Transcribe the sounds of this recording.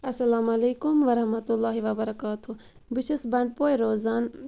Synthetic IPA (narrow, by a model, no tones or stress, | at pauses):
ɐsɐlaːmɐleːkumʋɐɾɐhmɐt̪ulːaːɦiʋɐbɐɾɐkaːt̪ʰu | bɪʃɪsbɐɳɖ̚poːjɾoːzaːn